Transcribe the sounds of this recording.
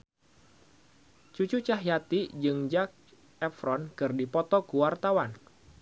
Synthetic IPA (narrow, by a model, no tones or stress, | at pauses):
t͡ʃut͡ʃut͡ʃaɦjat̪id͡ʒɨŋd͡ʒak̚ | ɛfɾɔnkɨrdipɔt̪ɔkuwart̪awan